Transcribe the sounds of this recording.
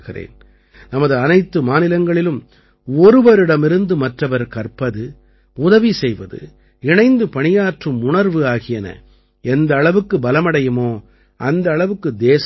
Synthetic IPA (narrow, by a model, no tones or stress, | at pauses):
ɣɪrḛːn | nɐmɐðɯɐnɐɪt̪ːɯmaːnɪlɐŋɡɐɭɪlɯm | ɔɾɯʋɐɾɪɽɐmɪɾɯnd̪ɯmɐʈrɐʋɐɾkɐrpɐðɯ | ʊðɐʋisɛjʋɐðɯ̰ | ɪɳɐɪnd̪ɯpɐɳɪjaːʈrɯmʊɳɐɾʋɯaːɣɪjɐnɐ̰ | ɛnd̪ɐːɭɐʋɯkːɯbɐlɐmɐɽɐjɯmoː | ʔɐnd̪ɐːɭɐʋɯkːɯd̪eːs